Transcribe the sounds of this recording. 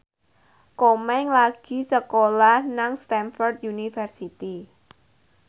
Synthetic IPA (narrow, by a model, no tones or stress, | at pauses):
komɛŋlaɡ̥i̤səkolahnaŋst̪ɛnfɔrd̪junifərsit̪i